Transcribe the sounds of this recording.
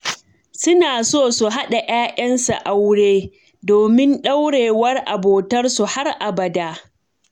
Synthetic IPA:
sʊ˦naː˨soː˦˨su˨ɦa˦ɗa˨ʔaː˦ʔɐ˦nsa̰˨ʔa˦wɽeː˦ | doː˨mɪ˦nɗa˦wɽeː˨wɐ˦rʔa˨boː˨tɐ˦rsu˨ha˦rʔa˨bɐ˨daː˦

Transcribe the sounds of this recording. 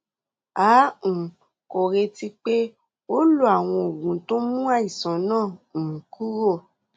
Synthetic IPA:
ãː˨˦˨ | ko˨ɾe˧ti˧k͡pe˦ | o˦lo˦a˦˨w̃ɔ̃˧o˨ɡũ˨˦to˦mũ˦a˦˨i˨sã˨˦nãː˦˨ku˦ɾo˦˨

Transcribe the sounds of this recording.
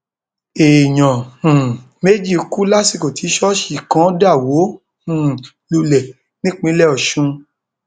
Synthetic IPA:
e˨j̃ã˨ | me˦d͡ʒi˦˨˧ku˦la˦si˦˨ko˨tʰi˨˦ʃɔ˦ʃi˦˨kã˨˦da˦˨wo˨˦ | hũ˨ | lu˧lɛ˨ | nĩ˦k͡pĩ˦lɛ˦ɔ˨ʃũ˧˦

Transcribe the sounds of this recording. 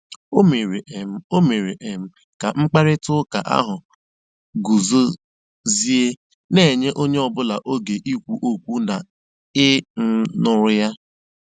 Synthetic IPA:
o˦me˨ɾe˨˦o˦me˨ɾe˨ʔe˨m̩˦ | ka˨ŋ͡m̩˦k͡pa˦ɾɪ˦tʊ˦ka̰˨ʔa̰˦ɦʊ˨ | ɡu˨zo˦ | zi˦e˦ | ne˦˨ɲe˦ʔo˦ɲe˦ɔ˦bʊ˦la˨ʔo˦ɡe˨ʔi˦kʷu˨ʔo˦kʷu˦na˨ | ɪ˦n̩˦nʊ˦ɾʊ˦ja˦

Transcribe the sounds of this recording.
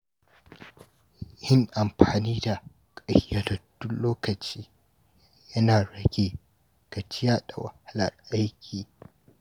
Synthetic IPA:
hɪ˦ŋʔa˨mɸaː˨niː˦da˨ | kʼɐ˦hja˦dɐ˨d̥ʊ˦loː˦kɐ˨t͡ʃiː˦ | jɐ˦naː˨ɽɐ˦ɡʲe˦ | ɡ̥a˨t͡ʃɪ˦jaː˦ɗa˨wa̰˨ha˦lɐ˨rʔa˦jkʲʰiː˨

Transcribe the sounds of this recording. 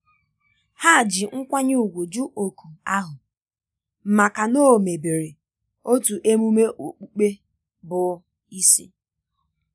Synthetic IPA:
ha˦˨d͡ʒɪ˨ŋ̩˦kʷa˦ɲ˦u˨ɡʷo˨d͡ʒu˦ʔo˨ku˨a˦ɦʊ˨ | m̩˨ma˨ka˨no˦˨me˨be˨ɾe˨ | o˦tu˨ʔe˦mu˦me˦ʔo˨k͡pu˦k͡pe˦ | bʊ˨˦ | i˦si˦

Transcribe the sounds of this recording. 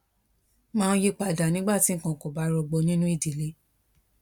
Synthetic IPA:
mãː˦˧n˦ji˧˦k͡pa˨da˨nĩ˨˦ɡ͡ba˦˨ti˨˦ŋ̩˨kã˨ko˨ba˨˦ɾɔ˧ɡ͡bo˧nĩ˦nũ˦i˦˨di˨le˧˦

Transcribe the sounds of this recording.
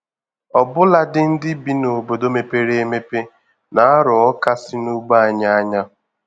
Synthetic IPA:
ɔ˨bʊ˦la˦dɪ˦n̩˦dɪ˦bi˨no˨bo˨do˦me˨pe˦ɾe˦e˦me˦pe˦ | na˨a˦ɾɔ˨ɔ˦ka˦sɪ˦nu˦ɡ͡ba˦a˦˨ɲa˦a˦ɲa˦

